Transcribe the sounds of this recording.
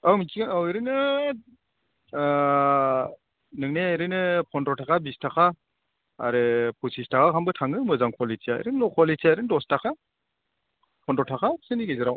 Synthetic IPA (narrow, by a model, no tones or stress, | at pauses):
awmit͡ʃiɡanaweɾɯnɯ | nɯŋneɾɯnɯpʰɔndɔtʰakʰabistʰakʰa̰ː | ɾɯpʰusistʰakʰakʰambɯtʰaŋɯmɯzaŋkʰɔlitʰijaḛɾɯnlɔkʰɔletʰiaeɾɯndɔstakʰa | pʰɔndɔtʰakʰasɯniɡezɯɾaw